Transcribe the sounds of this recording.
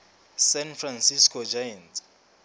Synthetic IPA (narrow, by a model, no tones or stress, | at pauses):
sɛnfransiskʰɔd͡ʒajantʼ